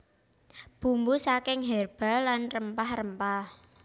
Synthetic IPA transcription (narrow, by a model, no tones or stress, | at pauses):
b̥ṳmbusakɪŋɦɛrb̥a̤lanrəmpahrəmpah